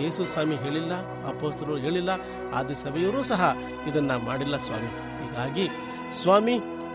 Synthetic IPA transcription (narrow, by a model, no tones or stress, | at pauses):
e̞ːsusaːmiɦe̞ːɭilːɐ | ɐpo̞ːst̪ʰɐlɐɾuɦe̞ːɭilːɐ | a̰ːd̪isɐbʱɛjɐɾuːsɐɦɐ | id̪ɐnːɐmaːɽilːɐsʋa̰ːmi | hiːɡaːɡi | sʋaːmi